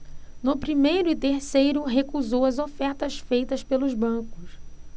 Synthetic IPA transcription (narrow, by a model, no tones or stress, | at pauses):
nʊpɾimejɾʊɪt̪eɾsejɾʊɦekuzowɐzofɛɾt̪ɐsfejt̪ɐspelʊzbɐ̃kʊs